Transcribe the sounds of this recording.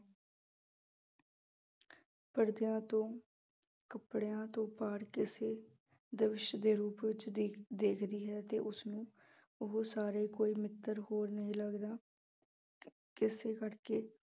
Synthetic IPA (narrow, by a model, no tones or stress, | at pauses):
pəɽd̪jãːt̪õː | kəpɽejãːt̪õːpaːɽkɪseː | d̪əʋɪʃd̪eːɾuːpʋɪt͡ʃd̪eːkʰd̪iːɦɛːt̪eːʔʊsnũː | ʊɦosaːɾeːkoːiːmɪt̪ːəɾɦoːɾnəɦĩːləɡd̪aː | kɪseːkəɽkeː